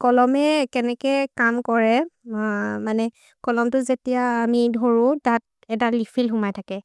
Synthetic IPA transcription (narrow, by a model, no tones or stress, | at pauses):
kɔlɔmɛkɛnɛkɛkamkɔɹɛ | manɛ | kɔlɔmtʊzetijaːmidʱoɹʊ̃tat̚ | ɛtalipʰilxʊmajtʰakɛ